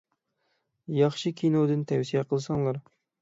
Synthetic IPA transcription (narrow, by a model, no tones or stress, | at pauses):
jɑχʃɨkʲʰinod̪ɨnt̪ʰɛwsijɛqʰəlˠɨsɑŋlˠɑɾ